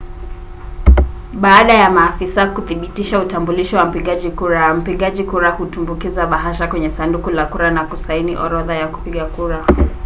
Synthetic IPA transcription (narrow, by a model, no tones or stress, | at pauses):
ɓaːɗajamaːfisakuθiɓitiʃautambuliʃiwam̩piɠaʄikuɾam̩piɠaʄikuɾahutumbukizaɓaɦaʃakwɛɲɛsandukulakuɾanakusainḭʔɔ̰ɾɔðajaku̥piɠakuɾa